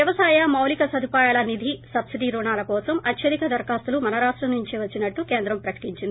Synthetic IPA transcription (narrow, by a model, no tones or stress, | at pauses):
jɐʋɐsaːjɐmɐwlikɐsɐd̪ʱipaːjaːlɐnid̪ʱisɐbsiɖiɾuːɳaːlɐkɔːsɐmʔɐt̪ʰjɐd̪ikɐd̪ɐɾkaːst̪ulumɐnɐɾaːʂʈɾɐmnuɲt͡ʃiʋɐt͡ʃːinɐʈːukeːnd̪ɾɐmpɾɐkɐ̥ʈiɲt͡ʃind̪i